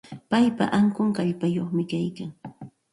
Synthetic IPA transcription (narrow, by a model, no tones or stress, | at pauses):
pajpa̰ʔaŋkʊŋkaʎpajoχmɪkajkaŋ